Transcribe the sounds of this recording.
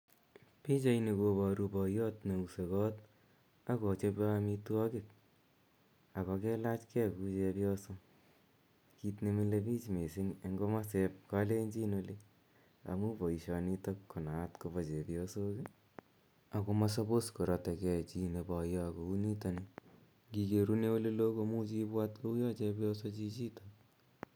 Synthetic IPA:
pi˦t͡ʃa˨˦ine˧ko˧bɔ˨ɾu˧pɔ˨jɔ˦tne˨u˨se˨kɔ˦t | a˦kɔ˨t͡ʃe˧pka˦ami˧tuɔkɪ˨t̚ | a˨kɔ˧kɛ˦la˦t͡ʃkɛ˦ku˦t͡ʃe˧pjɔ˦so˦ | ki˧tne˦mi˦lepi˦t͡ʃme˨si˦ŋe˦ŋɡo˦ma˦sep̚ka˦le˦ɲd͡ʒi˦no˧li˦ | a̰˨mu˦po˨i˨ʃɔ˨ni˦to˦kːo˨na˨tko˧βo˨t͡ʃe˨pjosoki˦ | a˨ko˧ma˦so˦po˦sko˨ɾɔ˧tɛ˨kɛ˦˨t͡ʃi˦ne˨pɔ˨jɔ˦ko˨u˦ni˦ta˧ni˦ | ɡi˧ke˨ɾu˦ne˦wo˦le˦lo˦ko˧mu˦t͡ʃi˦pwa˦tko˦u˦jɔ˦t͡ʃɛ˧pjɔ˦so˦t͡ʃi˦t͡ʃi˦tok̚

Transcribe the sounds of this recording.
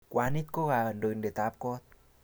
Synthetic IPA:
kwʔaː˨˦ni˦t̪̚ko˦ɣa˨ə˨ndo˨nde˨˩t̪aː˨˦p̚kɔ˦t̪̚

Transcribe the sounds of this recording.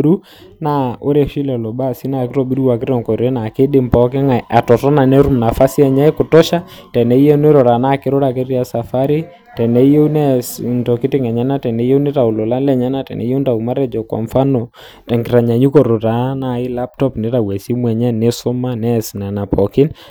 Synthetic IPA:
ɾu˦ | na˦o˦ɾɛ˦˨ʃi˦lɛ˨lɔ˨ba˦˨si˦na˨kɪ˦ɾɔ˦˨bi˦ɾu˦wa˨k̬ɪ˦ɾɔ˦˨ŋkɔ˨ɾe˦na˨kɪ˦ɗɪ˨mpɔ˨k̬ɪ˦ŋa˨a˨tɔ˨tɔ˦na˨nɛ˦ɾu˦mna˨fa˦si˦a˦˨ɲa˦ɛ˦kʊ˨tɔ˦ʃa˦tɛ˨nɛ˨˦jɛ˦n˦ɛ˦ɾɔ˨ɾa˨na˦˨kɪ˦ɾɔ˦ɾa˨ke˦ɾi˦a˨sa˨fa˦ɾi˦ | tɛ˨nɛ˦jɛ˦nɛ˦ntɔ˨ki˦tɪ˦ŋɛ˨ɲɛ˦na˦tɛ˨nɛ˨˦je˦u˦ne˦ta˨u˨lɔ˨la˦lɛ˨ɲa˦na˦tɛ̰˨nɛ̰˨˦je˦nta˨u˨ma˦ɾɛ˦d͡ʒɔ˨kwa̰˨ɱfa˦nɔ˨ | tɛ˨ŋki˨ɾa˨ɲa˨ɲu˦kɔ˨ɾo˨ta˨˦na˦˨i˦la˦p̚tɔ˦pne˦ɾa˨wɛ˨si˦mwɛ˨ɲɛ˦ne˦sɔ˦ma˦nɛ˦sna˨na˨pɔ˨kɪ˦n

